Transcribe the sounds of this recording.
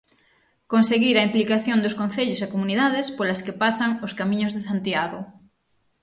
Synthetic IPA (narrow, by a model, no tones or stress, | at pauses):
konseɣiɾɐimplikaθjond̪oskõnθeʎosakomuniðaðespoɾlaskepasaŋoskamĩɲozðes̬ant̪iaɣo